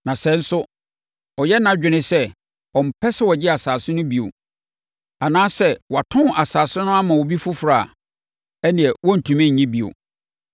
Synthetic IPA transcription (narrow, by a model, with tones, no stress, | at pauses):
nã˨sɛ̃˨˦n̩˦sʊ˦ | ɔ˨jɛ˦nã˦d͡ʑᶣɪ˨nɪ̃˦sɛ˦ | ɔ˨m̩˨pʰɛ˦sɛ˦wɔ˨d͡ʑɪ˦a˨saː˨sɪ̃˦nʊ̃˦bi˨o̰˨ | a˨nãː˦sɛ˦wɔ˨a˨tʰʊ̃˦˨a˨saː˨sɪ˦nʊ̃˦a˦mã˨wɔ˨bi˦fʊ˦fɾa˦˨ | ɛ˦nɪ̃˨ɛ˨wɔ̃˦n̩˨tʰũ˨mɛ̃˦ɲ̩˨ɲĩ˦bi˨o̰˨